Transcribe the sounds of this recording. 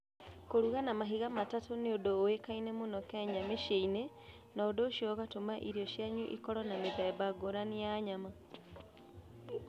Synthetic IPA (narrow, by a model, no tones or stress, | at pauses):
koɾuɣanamaɦiɣamatatoneodoːwekainemonɔkeɲameʃeine | naodoːʃjoɣatomaʔiɾioʃjaɲuʔḭkɔɾɔnameðɛbaɡoɾanijaɲama